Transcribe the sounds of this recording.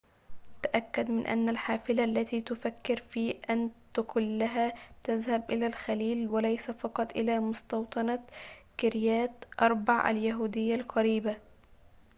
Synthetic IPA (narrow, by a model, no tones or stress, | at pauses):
t̪aʔakːad̪mɪnʔa̰nːalħaːfɪlaʔlːat̪iːt̪ʊfakːɪɾfiːʔant̪ʊkʊlːaɦat̪azhabʔɪlaːlxaliːlwalajsafɑqɑt̪ˤʔɪ̰laːmʊst̪ɑwt̪ˤɑnakɪɾjaːt̪ʔɑɾˤbɑʕʔa̰ljaɦuːd̪ɪjːalqɑɾiːba